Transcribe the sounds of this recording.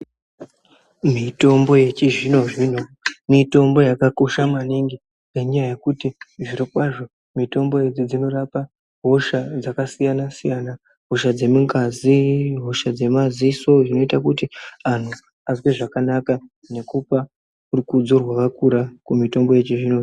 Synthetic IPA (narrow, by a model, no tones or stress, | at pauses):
mito̞mbo̞je̞t͡ʃiʐino̞ʐin̤umito̞mbo̞jakako̞ʃamaniŋɡi | reɲajaje̞kutiʐiɾokwaʐo̞ | mito̞mbo̞je̞d͡zid͡zino̞ɾapa | ɦo̞ʃad͡zakasijanasijana | ɦo̞ʃad͡ze̞miŋɡaziɦo̞ʃad͡ze̞maziso̞ʐino̞itakutian̤u | azwe̞ʐakanaka | ne̞kupa | urikud͡zurwakakuɾakumito̞mbo̞je̞t͡ʃiʐino̞